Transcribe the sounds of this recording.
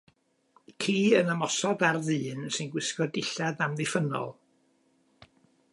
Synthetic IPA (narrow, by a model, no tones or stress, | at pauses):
kʰiːənamɔsɔdarðɨːnsɨnɡwɪskɔdɪɬaðamðɪfənɔ̰lˠ